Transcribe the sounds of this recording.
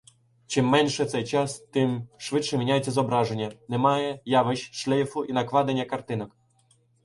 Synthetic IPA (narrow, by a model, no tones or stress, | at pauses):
t͡ʃɨmːɛnʲʂɛt̪sɛjt͡ʃast̪ɨmʂvɘtʂɛmʲenʲajɛt̪t͡s̪ʲːɛzɔbɾaʐɛnʲanɛmajɛjavɛɕʂlʲɛjfuʔinakvad̪ɛnʲakart̪ɪnɐk